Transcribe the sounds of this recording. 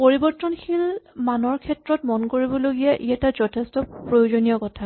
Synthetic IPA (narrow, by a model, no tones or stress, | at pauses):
poɹibɔɹtːɔnxʰilmanɔɹkʰɛtɹɔtmɔnkoɹibɔloɡijɛʔiɛtazɔtʰɛstɔpɹojod͡ʒonijɔkɔtʰa